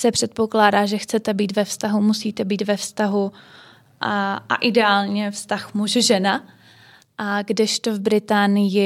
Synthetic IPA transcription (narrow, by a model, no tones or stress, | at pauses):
sɛpr̥ɛt̪̚po̞klaːdaːʒɛxt͡sɛt̪ɛbiːt̪vɛfst̪aɦumusiːt̪ɛbiːt̪vɛfst̪aɦu | ʔa̰ʔɪdɛaːlɲɛfst̪axmuʒʒɛna | ɡdɪʃt̪ovbɾɪt̪aːnɪjɪ